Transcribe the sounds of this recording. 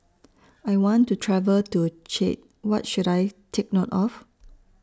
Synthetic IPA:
ajwɔ̃ntutʰɹɛvəltut͡ʃḛt̚ | wɔt̚ʃuɾajtʰek̚notɔf

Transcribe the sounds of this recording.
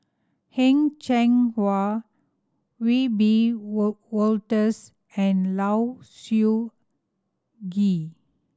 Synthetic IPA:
hɛ̃ŋt͡ʃɛ̃ŋwa | wibi | wɔltəs | ɛ̃nlawsu | ɡi

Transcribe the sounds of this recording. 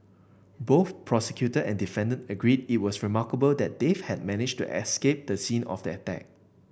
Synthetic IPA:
boθpʰɹɔsɛkjutəʔɛ̃ndifɛ̃ndə̃ntəɡɹidit̚wɔsɹimakəbəldɛt̚d̥evhɛd̚mɛnɪd͡ʒtṵʔɛ̰skep̚d̥̪əsĩnɔ̰fdɛətɛ̰k̚

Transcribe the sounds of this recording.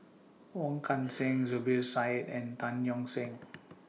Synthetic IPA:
wɔ̃ŋkʰãnsɛ̃ŋzubisajtɛ̃ntãnjɔ̃ŋsɛ̃ŋ

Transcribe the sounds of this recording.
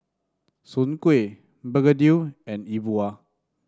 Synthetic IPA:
sunkue | bəɡədiwɛ̃nibua

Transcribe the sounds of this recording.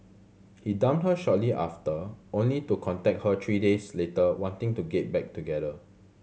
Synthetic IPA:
hidãmthəʃɔt̚liʔa̰ftəõnlitukʰɔ̃ntɛk̚hət̪ʰɹidesletəwɔ̃ntɪ̃ŋtuɡɛt̚bɛk̚tuɡɛɾə

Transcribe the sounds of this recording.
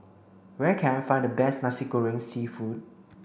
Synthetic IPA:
wɛkʰɛ̃nfãɪ̃ndəbɛsnasikoɹɪ̃ŋsifud̚

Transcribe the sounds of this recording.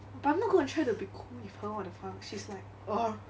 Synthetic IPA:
baʔãɪmnɔt̚ɡ̥ɔ̃nətʰɹajtubikʰulifhəɔ̃dəfãŋʃislaɪk̚ | ɔ

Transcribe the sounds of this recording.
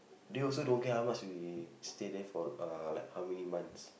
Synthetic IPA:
deɔls̬odõnɡɛhawmat͡ʃwistedɛfɔalaɪkhawmɛnimãnts

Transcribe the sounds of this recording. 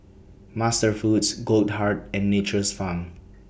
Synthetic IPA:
mastəɹfutsɡold̚haɹtɛ̃nːet͡ʃəsfãm

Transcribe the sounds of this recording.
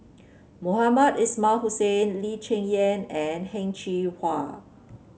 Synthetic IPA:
mohamədismalhusẽnlit͡ʃẽŋɛ̃nɛ̃nhɛ̃ŋt͡ʃihwa

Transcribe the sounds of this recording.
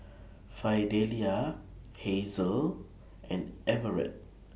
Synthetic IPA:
fajdelia | hezəl | ʔɛ̃nɛvəɹɛ̰t̚

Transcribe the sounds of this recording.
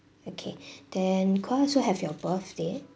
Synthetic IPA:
okʰed̥ɛ̃nkʰwasoɦɛfjɔbəθdɛ

